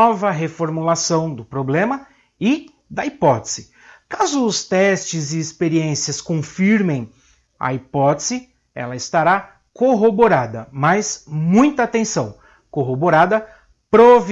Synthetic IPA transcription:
ɔvɐɦefoɾmulasɐ̃w̃d̪ʊpɾoblẽmɐ | ɪ | d̪ɐipɔt̪ez̥ɪ | kazʊːst̪ɛst͡ʃɪzɪːspeɾiẽsiɐskõfiɾmẽj̃ | ɐ̰ipɔt̪ez̥ɪ | ɛ̰lɐɪst̪aɾa | koɦoboɾad̪ɐmɐjsmũj̃t̪ɐat̪ẽsɐ̃w̃ | koɦoboɾad̪ɐ | pɾov

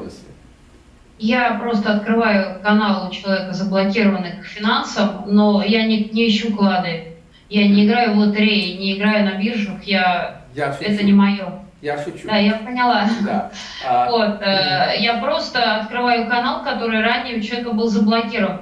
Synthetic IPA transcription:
japɾo̞st̪əɐt̪̚kɾɨvajʊkɐnalˠʊt͡ɕɪlˠɐvʲekəzəblˠɐkʲiɾəvənːɨkfʲɪnansəmno̞janʲɪknʲɪɪɕːuklˠad̪ə | janʲɪɪɡɾajʊvlˠət̪ɪɾʲejnʲɪɪɡɾajʊnɐbʲirʐʊxja | ɛt̪ənʲɪmɐjo | d̪ajapənʲɪlˠa | vot̪əjapɾo̞st̪əɐt̪kɾɨvajʊkɐnalˠkɐt̪o̞ɾɨjranʲɪjəʊt͡ɕɪlˠɐvʲekəbɨlˠzəblˠɐkʲiɾəvən

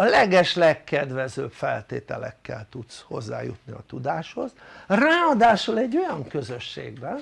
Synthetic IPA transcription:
ɒlɛɡɛʃlɛkːɛd̪ʋɛzøːpfɛlt̪eːt̪ɛlɛ̰kːɛlt̪ut̪sho̞̰zːa̰ːjṵt̪niɒ̰t̪ud̪aːʃho̞zraːɒd̪aːʃolɛɟːo̞jɒŋkø̞zø̞ʃːḛːɡbɛn

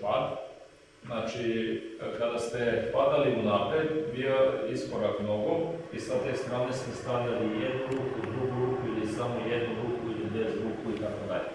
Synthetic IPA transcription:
pad̪ | znat͡ʃikad̪ast̪e̞pad̪aliunaːpɾed̪bioiskoɾakmno̞ɡo̞isat̪est̪ɾaːnesmest̪aʋʎʲalijed̪nuɾukud̪ɾuɡuɾukuilisamojed̪nuɡɾukuilibezɡɾukuit̪akod̪a̰ʎe

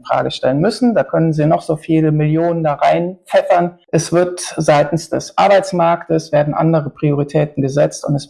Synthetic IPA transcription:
fʁ̥a̰ːɡəʃtɛlənmʏsn̩daːkʰœnənziːnɔχz̥oːfiːləmɪljoːnəndaːʁaɪnt͡sʰɛfɐnʔɛsv̥ɪɐtz̥aɪtn̩sd̥ɛ̰sʔa̰ɐbaɪt͡smaɐktəsv̥eːɐdn̩ʔa̰ndəʁəpʁ̥ioʁ̞itʰɛːtn̩ɡəzɛt͡stʊntɛs

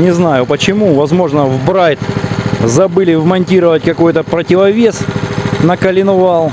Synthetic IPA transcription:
nʲɪznajʊpət͡ɕɪmuvɐzmo̞ʐnəvbɾajt̪zɐbɨlʲɪvmɐnʲtʲiɾəvətʲkɐko̞jt̪əpɾətʲɪvɐvʲe̞snəkəlʲɪnʊvalˠ

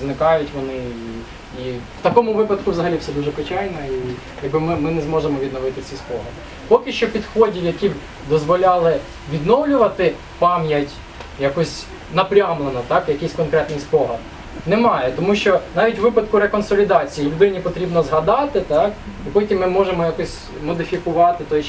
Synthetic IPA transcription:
znɪkɑjʊtʲʋɔnɪ | iw̥t̪ɐkɔmʊʋɪpɐd̪kʊʋzɐɦɐlʲifsɛd̪uʒɛpɪt͡ʃɑjnɐi | jɐɡ̚bɪmɪmɪnɛzmɔʒemɔʋʲid̪nɔʋɪt̪ɪt͡sʲispɔɦɐd̪ɪ | pɔkɪʃt͡ʃɔpʲid̪xɔdʲiwjɐkix | d̪ɔzʋɔlʲɑlˠɪ | ʋʲid̪nɔwlʲʊʋɐt̪ɪ | pɑmjɐtʲ | jɐkɔsʲ | nɐpɾʲɑmlˠenɔt̪ɑkjɐkɪjsʲkɔnkɾɛt̪nɪjspɔɦɐd̪ | nɛmɑjɛt̪ɔmuʃt͡ʃɔnɑʋʲitʲʋɪpɐd̪kʊɾekɔnsɔlʲid̪ɑt͡sʲijilʲʊd̪ɪnʲipɔt̪ɾʲibnɔzɦɐd̪ɑt̪ɪt̪ɑkipɔtʲimːɪmɔʒemɔjakɔsʲ | mɔd̪ɪfʲikʊʋɑt̪ɪt̪ɔj

